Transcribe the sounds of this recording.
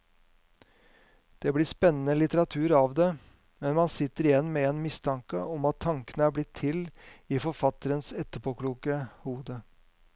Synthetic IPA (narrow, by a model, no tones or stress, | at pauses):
d̪̥ɛblɪːspɛnːən̩əlɪt̪əɾɑt̪ʰʉːɾɑʋd̪ɛ | mɛnmɑnsɪt̪ːəɾɪjɛnːmɛɛnmɪst̪ʰɑŋkəɔmɑt̪ʰːɑŋkənəæːɾblɪt̪ʰːɪliːfɔɾfɑt̪əɾənsɛt̪ːəpʰɔkluːkəhuːd̪ə